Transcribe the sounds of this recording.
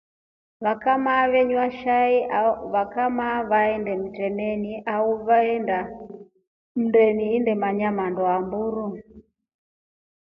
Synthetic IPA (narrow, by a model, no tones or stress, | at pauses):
βakamaβɛɲwaʃaiaβakamaβaɛndɛm̩tɛnɛniʔauβaɛnda | m̩ndɛniːndɛmaɲamandɔambuɾu